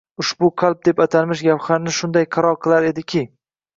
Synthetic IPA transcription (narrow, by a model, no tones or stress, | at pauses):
ʊʃbʊqʰalˠb̚d̪e̞pat̪ʰalmɪʃ̬ɡʲapχaɾnɪʃʊnd̪ajqʰɑɾɒɾqʰɨlˠaɾe̞d̪ɪkʲʰɪ